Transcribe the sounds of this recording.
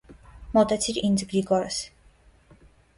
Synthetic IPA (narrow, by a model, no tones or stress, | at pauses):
mɔt̪ɛt̪sʰiɾinzɡɾiɡɔɾɛs